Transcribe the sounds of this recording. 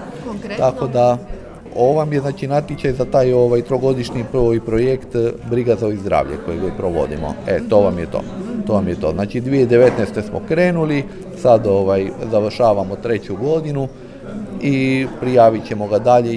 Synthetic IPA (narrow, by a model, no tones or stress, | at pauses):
t̪ako̞d̪a | oʋamjeznaːt͡ʃinat̪jet͡ɕajzat̪aːjo̞ʋajt̪ɾoɡo̞d̪iʃɲipojpɾojekt̪bɾiɡazaoizd̪ɾa̰ːʋʎḛkojeɡaipɾoʋo̞̰d̪ḭmo̞̰et̪o̞ʋamjet̪o̰t̪o̞ʋamjet̪o̞̰ːznaːt͡ʃid̪ʋied̪e̞ʋe̞t̪nest̪e̞smo̰kɾe̞ːnuli | sad̪o̞ʋajzaʋr̩ʃaːʋamo̞t̪ɾe̞t͡ɕuɡo̞d̪inu | ipɾijaːʋit͡ɕe̞mo̞ɡad̪aʎe